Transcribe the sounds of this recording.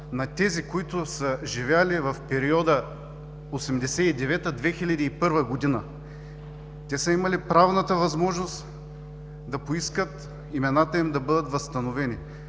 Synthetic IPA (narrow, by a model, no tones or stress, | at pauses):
nɐt̪ɛzikoit̪ʊsəʒivʲalivɐfpɛɾiɔd̪ə | osɛmd̪ɛsɛid̪ɛvɛt̪əd̪vɛxilʲɐd̪iːpɤɾvəɡod̪inə | t̪ɛsəimɐlipɾavnət̪əvɐzmɔʒnost̪ | d̪ɐpoiskət̪ | imɛnat̪əimd̪ɐbɤd̪ət̪vɐst̪ɐnovɛni